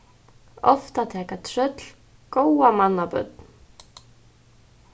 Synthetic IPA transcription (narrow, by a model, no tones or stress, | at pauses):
ɔft̪at̪ʰɛːkat̪ʰɾœt̪l̥ | kowamanːapœ̰t̪n